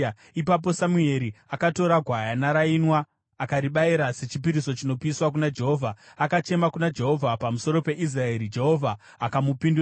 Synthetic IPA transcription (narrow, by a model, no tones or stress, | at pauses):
ipap̬o̞samue̞ɾiakato̞ɾaɡʱwajanaɾainwaː | kaɾiɓaiɾase̞t͡ʃipiɾiso̞t͡ʃino̞piswak̬unad͡ʒe̞ɦo̞vʱaakat͡ʃe̞makunad͡ʒe̞ɦo̞vʱapamusoɾo̞pe̞ʔis̬rae̞ɾid͡ʒe̞ɦo̞vʱaː | kamupindu